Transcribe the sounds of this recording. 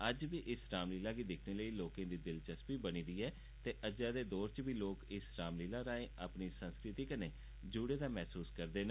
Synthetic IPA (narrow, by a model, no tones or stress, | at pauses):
əd͡ʒbiːʔɪsɾaːmliːlaːɡiːd̪ɪkʰneːləiːloːkãːd̪iːd̪ɪlt͡ʃəspiːbəñiːd̪iːɛː | t̪eːʔəd͡ʒaːd̪eːd̪oːɾt͡ʃbʱiːloːkɪsɾaːmliːlaːɾaːẽːapniːsənskɾɪt̪iːkəneː | d͡ʒuːɽeːd̪aːmɛːsuːskəɾd̪eːn